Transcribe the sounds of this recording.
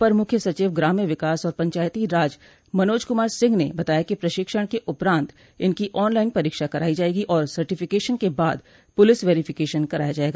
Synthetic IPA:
pɐɾmʊkʰjəsɐt͡ʃiːʋɡɾaːmijəʋɪkaːsɔːɾpɐ̃ɲt͡ʃaːjt̪iɾaːd͡ʒ | mɐnoːd͡ʒkʊmaːɾsɪ̃ŋɡnḛbɐt̪aːjakipɾɐʃɪkʃəɽ̃keʔʊpɾãːnt̪ | ɪnkiʔɔːnlaːɪnpɐɾiːkʃakɐɾaːid͡ʒaːeːɡiʔɔːɾsɐɾʈɪfɪkeːʃənkebaːd̪ | pʊlɪsʋeːɾɪfʰɪkeːʃənkɐɾa̰ːjad͡ʒaːeːɡaː

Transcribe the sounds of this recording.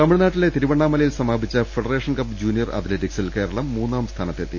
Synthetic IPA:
t̪ɐmiɻnaːʈːile̞t̪iɾuʋɐɳːaːmːɐlɐjilsɐmaːbʱit͡ɕːɐfeɖɐreːʂɐnkɐpd͡ʑuːnijɐrɐ̰t̪leʈiksilke̞ːɾɐɭɐmːuːnːaːmst̪ʰaːnɐt̪ːet̪ːḭ

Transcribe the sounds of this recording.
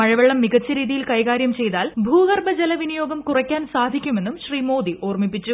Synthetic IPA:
mɐɻɐʋɐɭːɐmːiɡɐt͡ɕːɐɾiːðijilkɐjkaːɾjɐmt͡ɕe̞jt̪aːlbʱuːɣɐrbɐd͡ʑɐlɐʋinijo̞ːɡɐmkurɐkʲːaːnsaːd̪ʱikʲːume̞nːumɕriːmo̞ːd̪iʔoːrmipːit͡ɕːu

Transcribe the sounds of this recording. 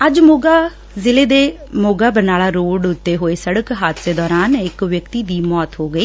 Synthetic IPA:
əd͡ʒmoːɡaː | zɪleːd̪eː | moːɡaːbənaːɭaːɾoːɖʊt̪ːeɦoːeːsəɽəkɦaːt̪ʰd̪eːd̪ɔːɾaːnɪkʋjəkt̪iːd̪iːmɔːt̪ɦoːɡəiː

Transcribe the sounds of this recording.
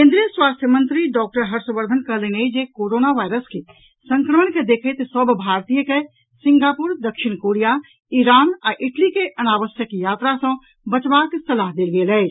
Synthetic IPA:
kẽnd̪ɾijəswast̪ʰjəmənt̪ɾiɖɔk̚ʈəɾɦəɾsũbəɾd̪ʱənkəɦlənejd͡ʒekoɾonaʋajɾəske | sə̃ŋkɾəməɳked̪ekʰət̪səbʱbʱaɾt̪ijəke | sĩŋɡapuɾd̪əkʃiñkoɾija | iɾanaʔɪʈlikeʔənaʋəsjəkjat̪ɾasə̃ | bət͡ʃbaksəlaɦd̪elɡelɛt͡ʃ

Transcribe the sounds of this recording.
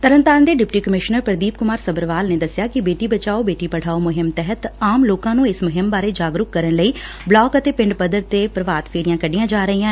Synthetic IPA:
t̪əɾənt̪aːnd̪eːɖɪpʈiːkəmɪʃnəɾpəɾd̪iːpkʊmaːɾsəbəɾʋaːlneːd̪əsɪjaːkɪbeːʈiːbət͡ʃaːoːbeːʈiːpəɽ̤aːoːmʊɦɪmt̪ɛɦət̪aːmloːkãːnũːɪsmʊɦɪmbaːɾeːd͡ʒaːɡɾʊkkəɾənləiː | blɔːkət̪eːpɪɳɖpəd̪əɾt̪eːpɾəʋaːt̪fʰeːɾijãːkəɖijãːd͡ʒaːɾəiːãː

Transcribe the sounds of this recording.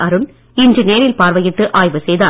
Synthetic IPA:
ɐɾɯm | ɪnd͡ʒɪneːɾɪlpaːɾʋɐjɪʈːɯʔaːjʋɯsɛjðaː

